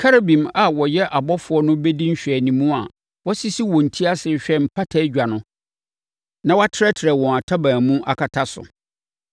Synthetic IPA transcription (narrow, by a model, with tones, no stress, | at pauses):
kʰa˦ɾa˨bĩ˨ma˨wɔ˨jɛ˦ʔa˨bɔ˦fʊ˨˦ɔ˦nʊ̃˦bɛ˦dĩ˦ɲ̩˦ɕᶣɛ˨nĩ˨mũ˦a˨ | wɔ˦si˦si˦wɔ̃˨n̩˨tʰi˦a˦sɪ˨˦ɕᶣɛ˦m̩˨pʰa˦tʰa˦d͡ʑᶣa˨nʊ̃˦ | nã˦wa˦tʰɪ˦ɾɛ˦tʰɪ˨ɾɛ˨wɔ̃˨a˨tʰa˦bãː˨mũ˦ʔa̰˨kʰa˨tʰa˦sʊ̰˨